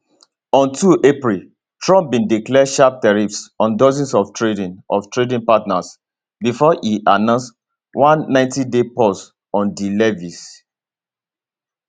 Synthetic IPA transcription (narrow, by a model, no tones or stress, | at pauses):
ɔ̃ntuʔepɹil | tɹɔ̃mp̚bĩndiklɛʃap̚tɛɹipsɔ̃ndɔzĩnsɔftʰɹedĩnʔɔftɹedĩnpatnas | bifɔʔiʔanãʊns | wãnːãɪ̃ntidepɔs | ɔ̃ndilɛvis